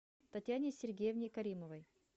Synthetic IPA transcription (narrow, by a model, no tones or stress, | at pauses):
t̪ɐtʲjanʲɪsʲɪrɡʲejəvnʲɪjkɐɾʲiməvəj